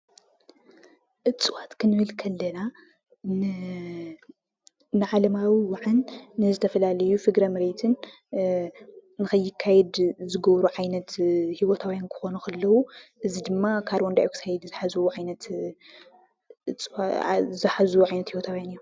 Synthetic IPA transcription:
ʔɨt͡sʼɨwat̪kʰɨnɨβɨlkʰɐlːɐna | nɨʕalɐmawiwaʕanːɨzɨt̪ʰɐfɐlalɐjufɨɡɾɐmɨɾet̪ʰɨn | ɨxɐjːɪkʰːajɛd̪zɨɡɐβɾuʕajnɐt̪hiwot̪ʰawjankʰɨ̥xo̞nuxʰɐlːɐwuʔɨzid̪ɨmːakʰaɾwɔnd̪ajukʰɨ̥sʰajɛd̪zɨħazuʕajnɐt̪ | t͡sʼzɨħazuʕajnɐt̪hiwot̪ʰawjanɨjːu

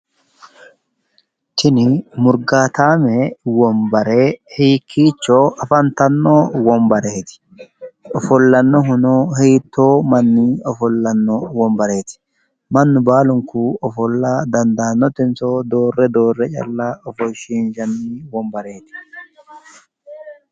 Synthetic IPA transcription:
t̪ɪnɪmʊɾɡaːt̪aːmɛwɔmbɐɾeːhiːkʰːiːt͡ʃːɔːɐfɐnt̪ɐnːoːwɔmbɐɾeːt̪ɪ̥ | ɔfɔlːɐnːɔɦʊnoːhiːt̪ːoːmɐnːiɔfɔlːɐnːɔwɔmbɐɾe̞ːt̪ɪ̥ | mɐnːʊbaːlʊŋkuːɔfɔlːad̪ɐnd̪aːnːɔt̪ɪnsoːd̪oːrːɛd̪o̞ːrːɛt͡ʃʼɐ̰lːaːɔfɔʃiːnʃɐnːiːwɔmbɐɾe̞ːt̪ɪ̥

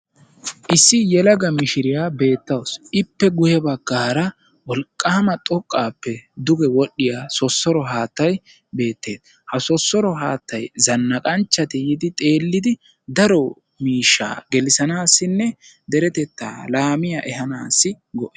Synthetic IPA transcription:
ʔɪsːɪjɛlɐɡɐmɪʃɪɾɪjaːbe̞ːt̪ːɐwsʔɪpːɛɡʊjɛbɐɡːaːɾɐ | wɔlkʼːaːmɐt̪ʼɔkʼːaːpːɛd̪ʊɡɛwɔɗːɪjaːsɔsːɔɾɔɦaːt̪ːɐj | be̞ːt̪ːe̞ːd̪ | hɐsɔsːɔɾɔɦaːt̪ːɐjzɐnːɐkʼɐnt͡ʃːɐt̪ɪjɪd̪ɪt̪ʼe̞ːlːɪd̪ɪ | d̪ɐɾɔ | miːʃːa̰ːɡɛlɪsɐnaːsːɪnːɛ | d̪ɛɾɛt̪ɛt̪ːa̰ːlaːmɪjaʔɛɦɐnaːsːɪ | ɡɔʔeː

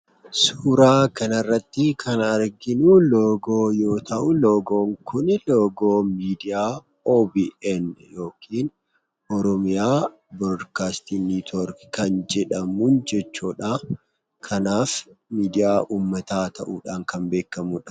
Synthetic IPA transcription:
suːɾaːkɐnɐrːɐt̪ːɪkʰɐnɐɾɡɪnuloːɡoːjo̞ːt̪ɐʔʊlo̞ːɡo̞ːŋkʰʊnloːɡoːmiːd̪ɪjaː | oːbiːʔɛnjo̞ːkʰiːn | ʔɔɾɔmɪjaː | bɔdkaːst̪iniːt̪ɔɾkkɐnd͡ʒɛᶑɐmund͡ʒɛt͡ʃːuːᶑa | kʰɐnaːfmiːd̪ɪjaːʔuːmːɐt̪aːt̪ʰɐʔuːᶑaːŋkɐmbe̞ːkːɐmuːᶑɐ̥

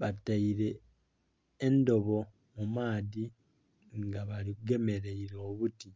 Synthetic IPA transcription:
βataiɾe̞ | ndo̞βo̞ | mumaːði | ŋɡaβalikuɡe̞me̞ɾeiɾoβuti

